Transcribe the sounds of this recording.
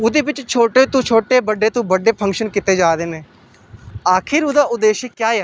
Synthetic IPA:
ʊd̪eːbɪt͡ʃt͡ʃʰoːʈeːt̪ũt͡ʃʰoːʈeːbəɖːeːt̪ũːbəɖeːpʰə̃ŋkʃənkɪt̪eːd͡ʒaːd̪eːneː | aːkʰɪɾʊd̪aːʔʊd̪eːʃekjaːɛː

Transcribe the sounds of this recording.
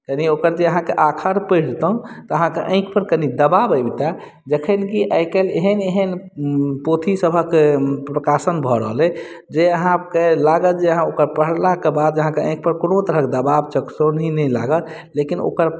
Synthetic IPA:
k̪əniokəɾd͡ʒ̪eəɦãkeʔakʰəɾpəɪɽt̪əũt̪ɔəɦãkeʔə̃ɪ̃kpəɾkənid̪əbabəjbit̪a | d͡ʒəkʰənkiʔəɪkeleɦəneɦən | pot̪ʰisəbʱəkepɾəkasənbʱɔɾəɦlɛ | d͡ʒeəɦãkelaɡət̪d͡ʒeəɦãokəɾpəɦlakebad̪əɦãkeə̃ɪ̃k̚pəɾkonot̪əɾəɦked̪əbabt͡ʃəksonɦinəjlaɡət̪ | lekino̰kəɾ

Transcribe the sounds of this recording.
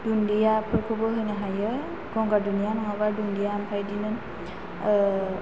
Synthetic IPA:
d̥undijapʰɔɹkʰubɔɦojnaɦajɯ | ɡɔŋɡadunijanɔɦabaɹdundijampʰajdinɯn

